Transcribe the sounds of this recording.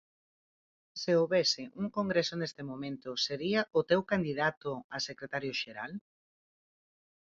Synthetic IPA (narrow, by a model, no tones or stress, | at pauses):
seoβesɪʔuŋkoŋɡɾesonest̪emõmẽnt̪ʊseɾiaʔʊt̪ewkand̪iðat̪ʊasekɾet̪aɾjoʃeɾa̰l